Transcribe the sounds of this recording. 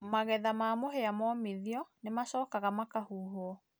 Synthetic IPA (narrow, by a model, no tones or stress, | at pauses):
maɣɛðamamoɦeamɔmeðiɔnemasɔːkaɣamakahuːɦoɔ